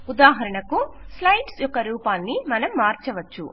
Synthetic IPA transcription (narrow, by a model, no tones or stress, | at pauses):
ud̪aːɦɐɾɐɳɐkuslɐjʈsjɔkːɐɾuːpaːnːimɐnɐmːaːɾt͡ʃɐʋɐt͡ʃːṵ